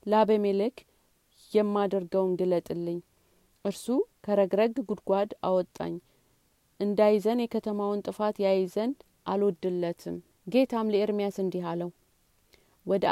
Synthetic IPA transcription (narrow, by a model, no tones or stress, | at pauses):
labəmelɨk | jɛmːad̪əɾɡəwnɡɨlət̪ʼɨlːɨɲː | ʔɨɾsukʰəɾəɡɾəɡɡud̪ɡʷad̪a̰wɔt̪ʼːa̰ɲː | ʔɨnd̪ajzənjɛkʰət̪ʰəmawɨnt̪ʼɨfat̪jajzənd̪ | ʔalwɔd̪ːɨlːət̪ʰɨm | ɡe̞t̪ʰamləɪɾmijasɨnd̪iɦaləw | wɔd̪